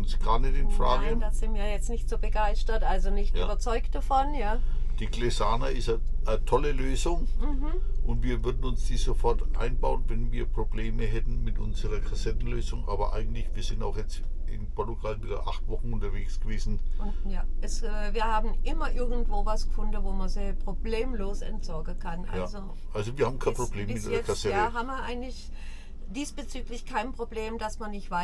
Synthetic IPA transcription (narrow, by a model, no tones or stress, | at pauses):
ʊnsɡ̥aːɐnɛtɪnfʁa̰ːɡədaz̥ɪntviːɐjɛt͡snɪçtz̥oːbəɡaɪstɐtʔalzonɪçtjːbɐt͡sɔʏkt̚d̥afɔnjaːd̥iːɡlezaːnaʔɪsta | ʔətʰɔləløːzʊŋ̩ | ʔʊntv̥iːɐvʏɐdn̩ʊnsd̥iːzofɔɐtʔa̰ɪnbaʊənvɛnviːɐpʁ̥obleːməɦɛtn̩mɪtʔʊ̰nzəʁɐkʰazɛtn̩løːzʊŋʔaːbɐʔa̰ɪɡŋ̩tlɪçv̥iːɐzɪnta̰ʊxjɛt͡st | ɪ̰npʰɔɐtuɡalviːdɐ̰ʔa̰χtv̥ɔχn̩ʊntɐveːksɡ̥əveːzn̩ʊnjaːʔɛsɛːviːɐhaːbm̩ʔɪmɐʔɪɐɡŋ̩tv̥oːvasɡ̥əfʊndəvoːmanzipʁ̥obleːmloːsɛ̰ntz̥ɔɐɡəkʰanʔa̰zoʔalzoviːɐhaːbm̩kʰaɪnpʁ̥obleːmmɪtikʰasɛtaɦaːbmiːɐʔaɪɡŋ̩tlɪç | d̥iːsb̥ət͡syːklɪçkʰaɪnpʁ̥obleːmd̥asmanɪçtv̥aɪ